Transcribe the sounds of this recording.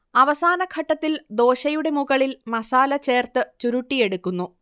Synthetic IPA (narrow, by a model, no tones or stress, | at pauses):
ɐʋɐsaːnɐkʰɐʈːɐt̪ːild̪o̞ːɕɐjuɽe̞muɣɐɭilmɐsaːlɐt͡ɕe̞ːrt̪ɨt͡ɕuɾuʈːije̞ɽukːunːu